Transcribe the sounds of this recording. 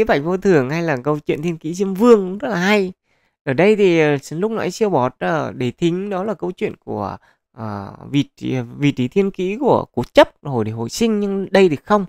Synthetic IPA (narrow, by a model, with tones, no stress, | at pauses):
i˧˨˦ɓa˧˩k̟̚vo˧t̪ʰɨ˨˩əŋha˧jlaː˨˩kə˧wt͡ɕwḭ˧˨nt̪ʰi˧ənkḭ˧˥zi˧əmvɨ˧əŋkzə˦˥t̚laː˨˩ha˧j | ʔəː˧˩ɗə˧jt̪ʰi˨˩˨slʊ˦˥k͡p̚na̰ː˧˨˦jsi˧əwɓɔ˨˩t̚əː˧˨˩ɗe˧˩t̪ʰï˨˦ŋ̟ɗɔ˨˦laː˨˩kə˧wt͡ɕwḭ˧˨ənku˧˩ə | ʔəː˨˧˩vḭ˨˩˨vḭ˨˩t͡ɕi˨˦t̪ʰi˧ənkḭ˧˥ku˧˩əku˨˩˦t͡ɕə˦˥p̚ho̰˨˧˩jɗho̰˧˨jsï˧ŋ̟ɲɨ˧ŋɗə˧jt̪i˨˩kxə˧wŋ͡m